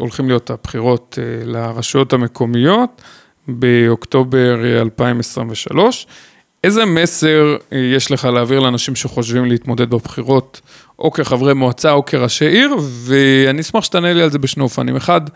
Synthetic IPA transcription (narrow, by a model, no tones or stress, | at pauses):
o̞̰lχimlijo̞tabχiʁo̞t̪elaʁaʃujo̞thame̞kʰo̞mijo̞t̪ | beokt̪o̞beʁalpaimesʁimveʃa̰lo̞ʃ | ʔeze̞me̞se̞ʁjeʃle̞χaleaːviʁleanaʃimʃeχo̞ʃvimleit̪mo̞d̪e̞d̪̚babχiʁo̞t | ʔo̞̰keχavʁemoat͡sao̞kʰeʁaʃeaʔiʁveaniismaχʃe̥t̪anelialze̞beʃneofanḭmeχad̪